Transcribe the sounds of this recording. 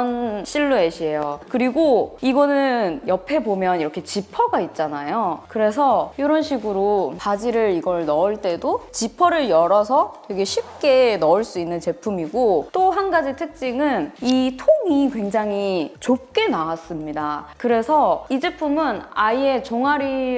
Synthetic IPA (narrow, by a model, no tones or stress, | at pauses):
nɕ͈ʰiɭːoeɕʰie̞jokɯɾiɡoiɡʌnɯnjʌpʰe̞bomjʌniɾʌkʰe̞t͡ɕipʰʌɡait̚t͡ɕ͈anajokɯɾe̞sʰʌjiɾʌnɕʰiɡɯɾopad͡ʑiɾɯɾiɡʌɭnʌɯɭt͈edot͡ɕipʰʌɾɯɭjʌɾʌs̬ʰʌteɡeɕʰip̚k͈e̞nʌuɭs͈uinːɯnt͡ɕe̞pʰumiɡot͈oɦanɡad͡ʑitʰɯk̚t͡ɕ͈iŋɯnitʰoŋikwe̞ŋd͡ʑaŋɦit͡ɕop̚k͈e̞nawas͈ɯmɲidakɯɾe̞sʰʌid͡ʑe̞pʰumɯnaie̞t͡ɕoŋaɾi